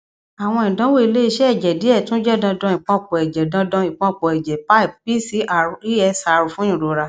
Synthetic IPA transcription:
a˨w̃ɔ̃˧ĩ˨dɔ̃˦wo˦i˧le˦i˧ʃɛ˦ɛ˦˨d͡ʒɛ˨di˨˦ɛ˦˨tũ˦d͡ʒɛ˦˨dɔ̃˧dɔ̃˧ĩ˨k͡pɔ̃˧˦k͡pɔ˨ɛ˨d͡ʒɛ˨dɔ̃˧˦dɔ̃˧ĩ˨k͡pɔ̃˧k͡pɔ˨ɛ˨d͡ʒɛ˨pa˦i˦˨ppi˦˨si˨˦a˨ɾi˦ɛ˧sa˨˧ɾu˨˧fũ˦ĩ˦˨ɾo˨ɾa˧

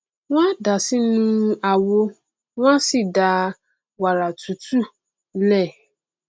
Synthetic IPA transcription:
w̃ã˦da˨si˦nũ˦a˨wo˦ | w̃ã˦si˦˨da˨˦ | wa˨ɾa˨tʰu˨tu˦ | lɛ˦˨

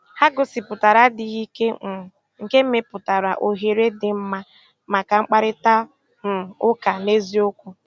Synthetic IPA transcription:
ha˦ɡʊ˨sɪ˨pʊ˨ta˨ɾa˦dɪ˨ɣi˦ke˦˨ | ŋ̩˨ke˦m̩˦me˦pʊ˨ta˨ɾa˨ʔo˨ɦe˨ɾe˦dɪ˨m̩˦ma˦ | ma˨ka˨ŋ͡m̩˦k͡pa˦ɾɪ˦ta˦ | ŋ̩˨ʊ˦ka˨ne˦zi˦ʊ˦kʷu˦

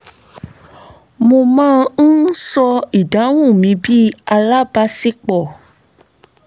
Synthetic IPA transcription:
mo˧mãː˦˧n̩˦sɔ˧i˨da˨˦w̃ũ˦˨mĩ˧bi˦a˧la˦ba˧si˦k͡pɔ˦˨

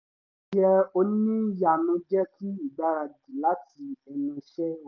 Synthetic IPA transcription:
jɛ˧o˧nĩ˦ja˨nũ˧˦d͡ʒɛ˦ti˦i˦˨ɡ͡ba˨˦ɾa˧di˨la˨˦ti˧ɛ˧nũ˧ʃɛ˦˨

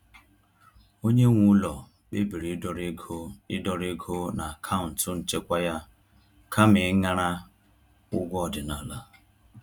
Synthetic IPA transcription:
o˦ɲe˦ŋʷu˦lɔ˨ | k͡pe˦bi˨ɾi˨˦dɔ˨ɾɡo˦ɪ˦dɔ˨ɾe˦ɡʰo˦na˨a˨kʰa˦ʊ˨n̩˨tʊ˦n̩˨t͡ʃe˦kʷa˦ja˦ | kʰa˦mɪ˨˦ŋa˦ɾa˦ | ʊ˦ɡʷɔ˨dɪ˨na˨la˦

